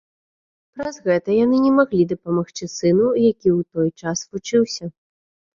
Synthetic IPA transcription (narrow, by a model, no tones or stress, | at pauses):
pɾɐzɣɛt̪ɐjanɨnʲɛmaɣlʲid̪ɐpɐmaxt͡ʂɨsɨnujakʲiwt̪ɔjt͡ʂasvut͡ʂɨwsʲɐ